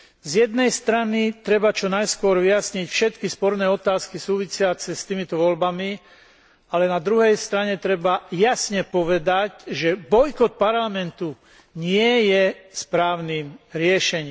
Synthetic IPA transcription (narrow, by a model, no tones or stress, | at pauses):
zjɛd̪̚nɛjst̪ɾanit̪ɾɛbat͡ʃɔnajskʊɔɾʋijasɲicfʃɛt̪kispɔɾnɛːɔt̪aːskisuːʋisɪat͡sɛst̪iːmit̪ɔʋɔlbami | alɛnad̪ɾuɦɛjst̪ɾaɲɛt̪ɾɛbajasɲɛpɔʋɛd̪acʒɛbɔjkɔt̪̚paɾlamɛnt̪u | ɲɪɛjɛspɾaːʊniːmɾɪɛʃɛɲiːm